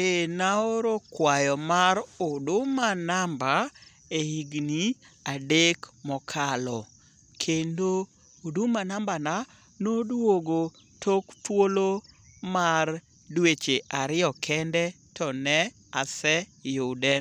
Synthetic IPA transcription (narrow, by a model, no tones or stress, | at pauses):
enaoɾokwajɔmaɾodʊmanamba | eiɡniadekmɔkʰalɔ | kʰendoː | dʊmanambana | nodwoɡo | tʰoktwolomar | dwet͡ʃeʔaɾɪjɔkʰɛndɛ | tɔnɛ | asɛjʊdɛ